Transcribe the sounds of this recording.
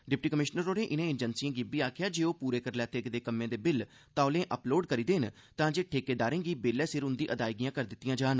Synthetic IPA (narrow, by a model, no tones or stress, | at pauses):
ɖɪpʈiːkəmɪʃnəɾoːnẽːʔɪnẽːɪd͡ʒənsiãːɡibiːaːkʰɪjaːd͡ʒeːoːpuːɾeːkəɾlɛːt̪eːɡd̪eːkəmːẽːd̪eːbɪl | t̪ãːlẽːʔəploːɖkəɾiːd̪eːnt̪ãːd͡ʒeːʈʰeːkeːd̪aːɾẽːɡiːbeːlɛːsɪɾɦʊ̃nd̪iːʔəd̪aːiɡɪjãːkəɾd̪ɪt̪ːijãːd͡ʒaːn